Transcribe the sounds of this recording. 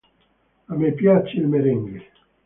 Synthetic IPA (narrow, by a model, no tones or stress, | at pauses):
amepjat͡ʃːeilmeɾeŋɡi